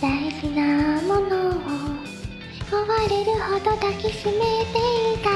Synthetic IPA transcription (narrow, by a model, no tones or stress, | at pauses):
aisinamɔnɔɡɔ | kɔwaɾeɾɯɔd̪ɔd̪akisimet̪eik̪a